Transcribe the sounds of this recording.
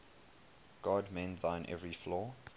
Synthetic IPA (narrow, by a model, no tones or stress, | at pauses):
ɡ̥ɔdmɛ̃nðãɪ̃nʔɛ̰vɹiflɔː